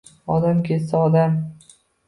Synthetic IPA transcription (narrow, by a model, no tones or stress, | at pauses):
ɒd̪amkʲʰesaɒd̪am